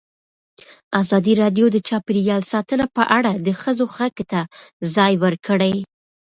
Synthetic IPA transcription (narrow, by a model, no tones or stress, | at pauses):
azɑd̪iɾɑdjod̪ət͡ʃɑpiɾjɑlsɑt̪ənapəʔaɽad̪əxəzoxakt̪azɑjwəɾkəɽaj